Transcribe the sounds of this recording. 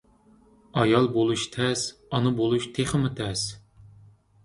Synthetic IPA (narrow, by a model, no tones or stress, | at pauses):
ɑjɑlˠbolˠuʃt̪ʰɛsɑnɨbolˠuʃt̪ʰeχɪmɨt̪ʰɛs